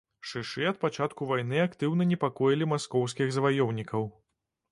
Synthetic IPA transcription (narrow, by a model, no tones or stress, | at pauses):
ʂɨʂɨɐt̪̚pat͡ʂat̪kuvajnɨakt̪ɨwnɐnʲɛpakɔjilʲimaskɔws̬kʲiɣzɐvajɔwnʲikɐw